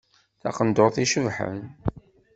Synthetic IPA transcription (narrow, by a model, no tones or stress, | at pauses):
θɑ̰qənd̪oθiʃəvħə̰n